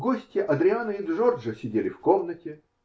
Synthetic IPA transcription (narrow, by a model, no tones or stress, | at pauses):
ɡosʲtʲɪʔɐd̪ɾʲɪanɨɪʐorʐɨsʲɪdʲelʲɪfkomnətʲɪ